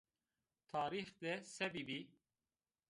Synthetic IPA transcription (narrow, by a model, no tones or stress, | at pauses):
t̪ʰɑːɾiːxd̪ɛsɛbibi